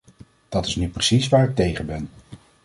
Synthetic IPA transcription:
d̥ɑtɪsnyprəsisʋaːɾɪk̚tejχənbɛn

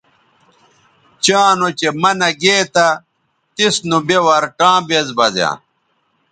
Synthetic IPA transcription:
t͡ɕaːnot͡ɕemɐnɐɡeːt̪ɐ | t̪isnubewɐɾʈãːbezbɐzjã̰ː

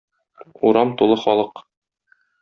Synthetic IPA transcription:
uɾɑmt̪ulˠɤχɒlˠɤq

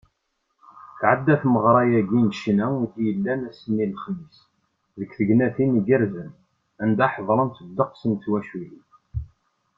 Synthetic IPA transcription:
θʕəd̪ːæθməʁɾˤɑjæɡinʃnæuθjəlːænæsənːilχmis | ðəkθəɡnæθinəɡəɾzən | ænd̪æħðˤɾˤənt̪əd̪ːəqsənt̪wæʃwiji

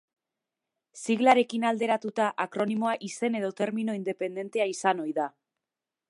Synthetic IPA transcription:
siɣlaɾe̞kinald̪e̞ɾat̪ut̪aʔakɾo̞nimo̞aʔise̞ne̞ðo̞t̪e̞ɾmino̞ind̪e̞pe̞nd̪e̞nt̪e̞aisano̞jða

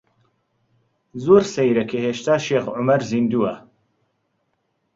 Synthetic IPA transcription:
zoːɾsɛjɾɐkʰeheːʃt̪aːʃeːxʕʊmɐɾzind̪uːɐ

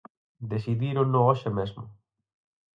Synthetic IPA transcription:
d̪esiðiɾonooʃemezmʊ̰

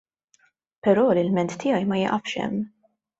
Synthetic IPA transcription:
pɛɾɔːlɪlmɛnt̪t̪ːɪjɐjmɐjɪʔɐfʃɛ̰mː

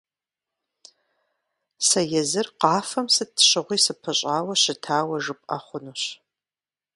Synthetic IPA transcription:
sɐjɛzɨrqɑːfɐmsɨtʰɕɨʁʷiːsɨpʰɐɕʼaːwɐɕɪtʰaːwɐʒɨpʼɐ̰χʷʊnuːɕ

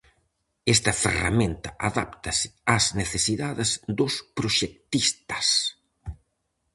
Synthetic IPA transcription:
ɛst̪ɐfḛra̰mẽnt̪ɐʔaða̰p̚t̪ɐsɪ̥azneθesiðaðɪzd̪ʊspɾoʃek̚t̪ist̪ɐ̥s

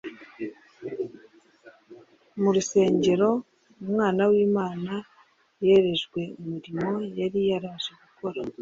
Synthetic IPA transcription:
muɾuse̞ːɲɟe̞ɾo̞ | numŋaːnawiːmaːna | je̞ɾe̞ʒɡwe̞umiɾimo̞jaɾijaɾaʒeɡuko̞ɾa

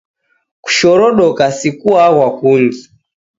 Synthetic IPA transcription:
ku̥ʃɔɾɔɗɔkasikuaɣwakuŋɡi

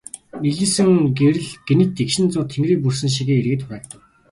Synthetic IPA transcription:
miɮiːsɘ̆ŋɡeɾɘ̆ɮɡ̥enɘ̆t̪ikʃɪ̆nt͡sʊːt̪ʰeŋɡriːk̚purs̬ɘ̆ŋʃ̬iɣeːerɣɘ̆t̪pæːkt̪ə̆

